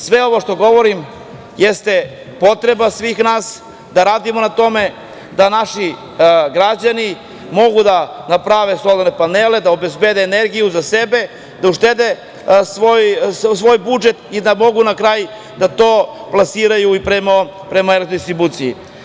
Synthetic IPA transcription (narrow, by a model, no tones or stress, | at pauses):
sʋe̞o̞ʋoʃt̪o̞ɡo̞ʋo̞ɾim | jest̪e̞ | po̞t̪ɾe̞basʋiːxnaːs | d̪aɾaːd̪imo̞nat̪o̞me̞ | d̪anaʃi | ɡɾad͡ʑani | mo̞ɡud̪anapɾaʋe̞sˠod̪ne̞paneled̪aobe̞zbed̪eːneɾɡijuzase̞be̞ | d̪auʃt̪ed̪e | sʋojsʋo̞ːjbud͡ʒe̞t̪id̪amo̞ɡunakɾaːj | d̪at̪o̞ːplˠasiːɾajuipɾemo | pɾe̞maeɾd̪ist̪ɾibut̪sijḭ